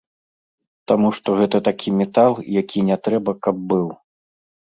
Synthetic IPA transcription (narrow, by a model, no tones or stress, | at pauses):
t̪amuʂt̪ɔɣɛt̪ɐt̪akʲimʲɛt̪alˠjakʲinʲɛt̪ɾɛbɐkɐb̚ːɨw